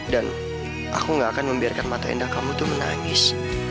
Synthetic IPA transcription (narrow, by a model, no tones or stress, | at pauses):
dan | ʔa̰kuŋɡaːkanməmbiarkanmat̪aḭndahkamut̪uməna̰ŋɪs